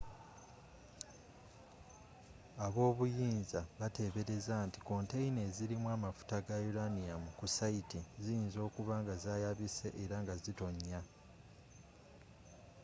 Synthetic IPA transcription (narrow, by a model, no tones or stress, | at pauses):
aβo̞ːβujiːnzaβate̞ːβe̞ɾe̞zaːnti̥ko̞nte̞ine̞ːziɾimwaːmafu̥taɡajuɾanijamukusaitizijinzo̞ːkuβaŋɡazaːjaβise̞ʔeɾaŋɡazito̞ɲːa